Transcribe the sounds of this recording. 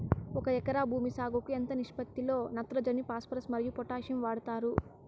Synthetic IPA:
ɔkɐɛkɐɾaːbʱuːmisaːɡokuent̪ɐniʂpɐt̪ːilo̞ːnɐt̪ɾɐd͡ʒɐnipaːspɐɾɐsmɐɾijupɔʈaːʃɐmʋaːɽɐt̪aːɾu

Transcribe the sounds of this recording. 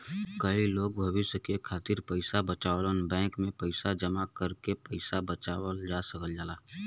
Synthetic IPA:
kəiloːɡ̚bʱɐʋɪsjəkekʰaːt̪ɪɾpəɪsabət͡ʃaːlənbɛ̃ːkmẽpəɪsad͡ʒəmakəɾkepəɪsabət͡ʃaːwəld͡ʒaːsəkəld͡ʒaːlaː

